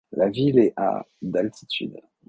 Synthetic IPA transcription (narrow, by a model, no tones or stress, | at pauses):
lavilɛʔa̰ | d̪alt̪ʰi̥t̪ʰy̰d̪